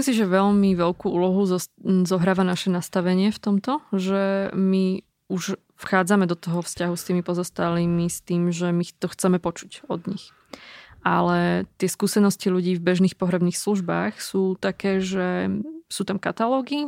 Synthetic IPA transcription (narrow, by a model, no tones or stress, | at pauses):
isimsiʒɛʋɛʎmiʋɛlkuːʔuːlɔɦuzɔzɔɦɾaːʋanaʃɛnast̪aʋɛɲɪɛft̪ɔmt̪ɔʒɛmi | uʃ | fxaːd͡zamɛd̪ɔt̪ɔɦɔfscaɦust̪iːmipɔzɔst̪aliːmist̪iːmʒɛmixt̪ɔxt͡sɛmɛpɔt͡ʃu̥cɔd̪ɲḭx | ʔalɛt̪ɪɛskuːsɛnɔsciluɟiːvbɛʒniːxpɔɦɾɛbniːxsluʒbaːxsuːt̪akɛːʒɛsuːt̪amkat̪alɔːɡi